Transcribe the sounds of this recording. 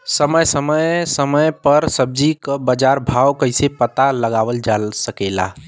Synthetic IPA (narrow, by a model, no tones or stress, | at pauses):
səməjsəməjsəməjpəɾsəb̚d͡ʒikəbəd͡ʒaɾbʱawkəɪsepət̪aləɡaʋəld͡ʒalsəkela̰